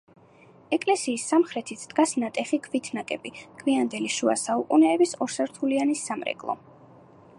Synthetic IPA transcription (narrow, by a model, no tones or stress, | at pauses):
ɛkʼlɛsiːsːamχɾɛt̪ʰit̪sʰd̪̥ɡasnat̪ʼɛχikʰvit̪ʰnakʼɛbikʰviand̪ɛliʃua̰saukʼunɛːbisɔɾsɛɾt̪ʰulianisamɾɛ̰ɡʼlˠɔ̰